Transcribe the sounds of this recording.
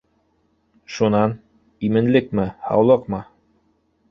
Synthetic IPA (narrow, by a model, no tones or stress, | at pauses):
ʃunɑn | imɘ̆nlɘk̚mɘhɑ̰wlˠɤqmɤ